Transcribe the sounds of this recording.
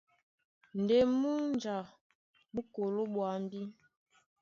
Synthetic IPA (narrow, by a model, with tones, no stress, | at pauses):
n˨de˨mu˦n˦d͡ʒa˨ | bu˦ko˨lo˦ɓwa˨˦m˦bi˦